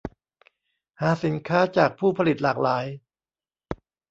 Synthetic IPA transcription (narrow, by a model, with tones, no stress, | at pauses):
haː˨˩˦si˩˦nkʰaː˦˥t͡ɕaː˨˩k̚pʰuː˥˩pʰa˧li˨˩t̪̚laː˨˩k̚laː˩˦j